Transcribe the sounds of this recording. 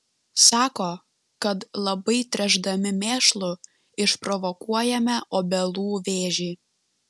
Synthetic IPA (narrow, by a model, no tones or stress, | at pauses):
sɑːkoː | kɐt̪lˠɐbɐɪt̪ʲɾʲɛʒd̪ɐmʲɪmʲeːʃlˠʊ | ɪʃpɾɔʋɔkuɔjɛmʲɛʔoːbʲɛlˠuːʋʲeːʒʲiː